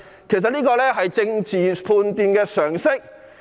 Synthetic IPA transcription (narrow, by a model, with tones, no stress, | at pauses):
kʰe˨js̬ɐ˨t̚nliː˥kɔː˧lɛː˥ɦɐ˨jt͡sɪ˧ŋt͡siː˨pʰuː˧nt̪iː˨nkɛː˧sœː˨˩ŋsɪ˥k̚